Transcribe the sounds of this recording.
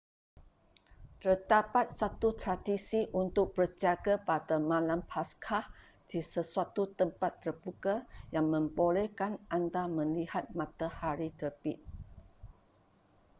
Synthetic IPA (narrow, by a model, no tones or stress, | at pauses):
t̪ərdapat̪̚sat̪ut̪ɾadisiʔunt̪ʊk̚b̥ərd͡ʒaɡapadamãlampʰaskʰah | d̥isəsuat̪ut̪əmpat̪ːərbukajaŋmə̃mbolɛhkanʔandamə̃nlihat̪̚mãt̪ahaɾit̪əpit̪̚